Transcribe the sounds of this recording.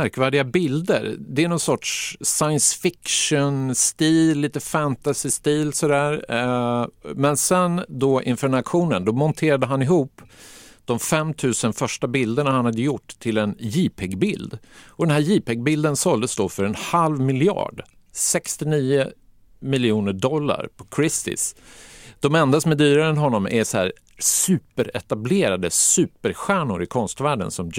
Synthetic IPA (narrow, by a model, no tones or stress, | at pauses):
mæɾkvæːɖɪɡabɪld̪ə̰ɾd̪ɛæɳɔnsɔʈʂsajənsfɪkʂənst̪iːllːiːt̪əfænt̪asɪst̪iːlsɔd̪æːɾ | mɛnsɛnd̪ɔʔɪ̰nfœɾɳakɧuːnənd̪ɔmɔnt̪ʰeːɾad̪əɦanɪɦuːpːd̪̥ɔmfɛmːt̪ʰʉ̟ːsənfœʂʈabɪld̪əɳahanhad̪ːəjʊʈːt̪ʰːɪlɛnjiːpʰɛɡbɪld̪ɔd̪ɛnɦæːɾjiːpɛɡ̚bɪld̪ənsɔld̪əsd̪oːfœɾɛnhalvmɪlɪɑ̰ːɖ | sɛkst̪ɪniːə | mɪljuːnəɖɔlːa̰ɾpʰɔ̥kʰɾɪst̪ɪ̰s | d̪̥ɔmɛnd̪asɔmɛd̪yːɾaɾɛnɦɔnːɔmɛsɔhæːɾ | sʉ̟ːpəɾɛt̪ableːɾad̪əsʉ̟ːpəɾɧæːɳʊɾɪkʰɔnst̪væːɖə̰nsɔm